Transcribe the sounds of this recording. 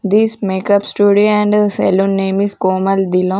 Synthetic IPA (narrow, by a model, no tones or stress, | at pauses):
d̪iːsmeːkɐpsʈuːɖiɛ̃ɳɖsɛ̰lũnːeːmiskoːmɐld̪ilõ